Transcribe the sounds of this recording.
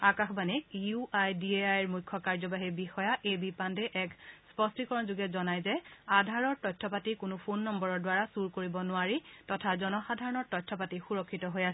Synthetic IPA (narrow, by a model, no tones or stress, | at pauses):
akaxbanɛkuajdieajɹmujkʰːɔkaɹzɔbaɦibixɔjaʔejbipandɛʔɛkspɔstikɔɹɔnzuɡɛzɔnajzɛadʱaɹɔɹtɔjtʰːɔpatikʊnʊpʰonːɔmbɔɹɔɹdʊwaɹasuɹkoɹibɔnʊaɹitɔtʰazɔnɔxadʱaɹɔnɔɹtɔjtʰːɔpatixuɹɔkʰːitɔɦojasɛ